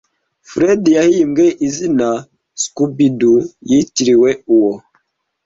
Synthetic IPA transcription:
fɾedijahimɡeʔizina | skubidujitiɾiweuwo

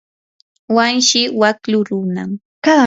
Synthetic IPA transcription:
wanʃɪwakʎʊɾʊna̰m | ka

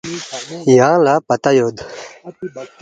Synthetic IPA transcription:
jãːlapɐt̪ajod̪

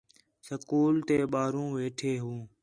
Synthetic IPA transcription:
səkuːlt̪eːɓaːɾũːʋeːʈʰeːɦũː

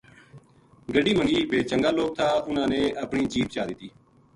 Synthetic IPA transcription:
ɡəɖiːmə̃ŋɡiːpʰeːt͡ʃəŋɡaːloːk̚t̪ʰaːʊnãːnẽːʔəpɳiːd͡ʒiːpt͡ʃaːd̪ɪt̪ːiː

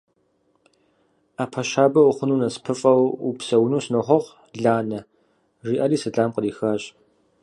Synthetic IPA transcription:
aːpʰɐɕaːbɐʊχʷʊnuːnɐspʰɨfʼɐwṵpsɐwnuːsnoχʷɔʁ | ɮaːnɐ | riːʔɐɾiːsɐɬʼaːmqəriːxaːɕʼ

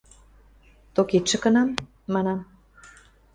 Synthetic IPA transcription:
t̪okit̪ʃə̆kɤ̆nɑmː | ɑnɑm

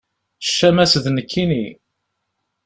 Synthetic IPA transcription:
ʃːæmæsðnəkʰːini

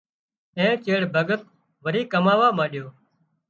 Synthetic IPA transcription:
ẽːt͡ʃeːɽbʱəɡət̪ | ʋəɾiːkəmaːʋaːmãːɗɪjoː

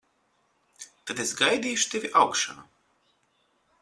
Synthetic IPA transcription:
t̪at̪esɡajd̪ʲiːjʃu̥t̪evʲiʔawkʃanu

